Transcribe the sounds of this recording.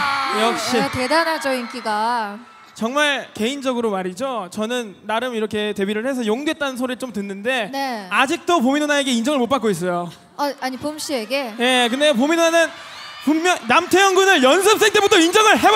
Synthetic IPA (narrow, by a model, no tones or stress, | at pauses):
jʌkk̚ɕ͈itedanad͡ʑʌink͈iɡa | t͡ɕʌŋmaɭke̞ind͡ʑʌɡɯɾomaɾid͡ʑot͡ɕʌnɯnːaɾɯmiɾʌkʰe̞te̞biɾɯɭhe̞s̬ʰʌjoŋdwe̞t̚t͈anɯnsʰoɾit͡ɕomtɯnːɯnde̞nead͡ʑik̚t͈op̬ominonae̞ɡe̞ind͡ʑʌŋɯɭmot̚p͈ak͈ois̬͈ʌjo | aaɲipomɕ͈ie̞ɡeje̞k̬ɯndep̬ominonanɯn | puŋmjʌnnamtʰejʌŋɡunɯɭjʌnsʰɯpsʰe̞ŋt͈e̞butʰʌind͡ʑʌŋɯɭɦeb